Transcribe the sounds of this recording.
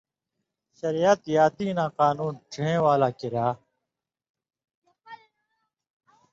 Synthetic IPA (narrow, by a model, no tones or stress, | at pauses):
ɕɐɾijat̪jaːt̪iːnãːqaːnuːnʈʰeẽːwaːlaːkiɾaː